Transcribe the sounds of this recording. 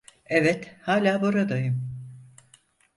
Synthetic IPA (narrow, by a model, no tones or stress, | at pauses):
evɛt̪haːlʲaːbuɾad̪ajɯm